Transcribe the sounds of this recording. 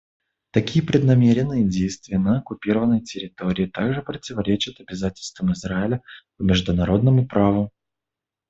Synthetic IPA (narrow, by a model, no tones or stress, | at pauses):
t̪ɐkʲijəpɾʲɪd̪nɐmʲeɾʲɪnːɨjədʲejst̪vʲɪjənəɐkʊpʲiɾəvənːəjtʲɪɾʲɪt̪o̞ɾʲɪːt̪aɡʐɨpɾətʲɪvɐɾʲet͡ɕɪt̪ɐbʲɪzatʲɪlʲst̪vəmɨzraɪlʲəpəmʲɪʐd̪ʊnɐɾo̞d̪̚nəmʊpɾavʊ